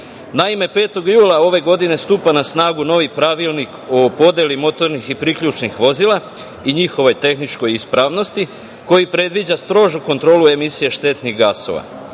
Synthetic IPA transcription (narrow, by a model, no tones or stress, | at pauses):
naime̞pe̞ːt̪o̞ɡjuːlˠao̞ʋe̞ɡo̞d̪ine̞st̪uːpanasnaːɡuno̞ʋipɾaʋilˠnikopo̞d̪elimo̞t̪o̞ɾnixipɾikʎut͡ʃnixʋo̞zilˠa | iɲixo̞ʋo̞jt̪e̞xnit͡ʃko̞jispɾaʋno̞st̪i | ko̞jipɾe̞d̪ʋid͡ʑast̪ɾo̞ːʒuko̞nt̪ɾo̞ːlˠue̞misije̞ʃt̪e̞t̪niɣɡaso̞̰ʋa̰